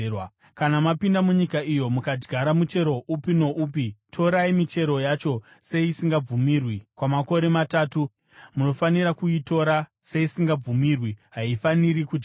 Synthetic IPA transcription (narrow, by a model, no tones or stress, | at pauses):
kanamapindamuɲikaijo̞mukad͡ʒɡʱaɾamut͡ʃe̞ɾo̞ʔupino̞ʔuːp̬itʰo̞ɾaimit͡ʃe̞ɾo̞jat͡ʃo̞ | seiisiŋɡab͡vumirwikwamako̞ɾe̞mataːtu | muno̞faniɾakuito̞ɾaseisiŋɡab͡vumirwiɦaifaniɾikuti